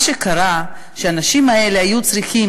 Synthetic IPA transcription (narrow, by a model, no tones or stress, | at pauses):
ʃe̞kaʁa | ʃeanaʃimae̞lehajut͡sʁiχim